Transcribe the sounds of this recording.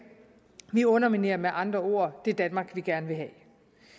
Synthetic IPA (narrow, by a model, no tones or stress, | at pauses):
ʋiɔ̽nɐmine̝ːɐmeʔɑ̈nd̥ʁɐo̝ːɐ̰d̥e̝d̥ænmɑ̈ːɡ̥ʋiɡ̥æɐnəʋe̝ɦɛ̰